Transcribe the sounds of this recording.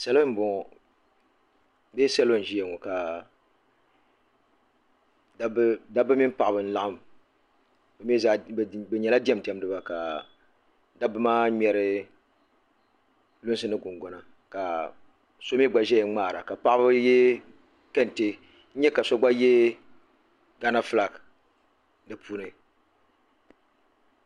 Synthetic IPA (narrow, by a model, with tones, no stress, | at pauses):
sa˦lo˦m˦bɔ˨ | be˦sa˦lo˦n̩˨ʒi˦jɛ˨ŋɔ˨ka˨ | dda˦bɨ˦mi˦m˦pa˨ʔa˨bɨ˨n̩˦la˨ʔʊ˦m | bɛ˨mi˦za˦˨bɛ˨ɲɛ˨la˦dɛ˦m˨tɛ˨m˦dɨ˦ba˨ka˨ | da˦bɨ˦maː˦ɲɛ˨ɾɨ˦ | lʊ˦nsɨ˦nɨ˦ɡʊ˨ŋɡɔ˨na˨ | ka˨ | so˦mi˦ɡ͡ba˨ʒɛ˦ɛ˨˦ŋ͡maː˦˨ɾa̰˨ka˨pa˦ʔa˦bɨ˦jɛ˦ | kɛ˦n˨te˦ | ɲ̩˦ɲɛ˦ka˨so˦ɡ͡ba˦jɛ˦ | ɡa˦na˦fla˨k | nɨ˨pʰuː˦nɨ˨